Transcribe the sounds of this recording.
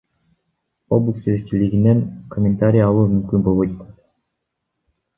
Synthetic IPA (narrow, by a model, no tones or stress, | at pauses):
o̞blˠəsest͡ʃiliɡineŋkʰomʲːɪnt̪aɾʲijaɑlˠuːmymkynbo̞lˠβojt̪o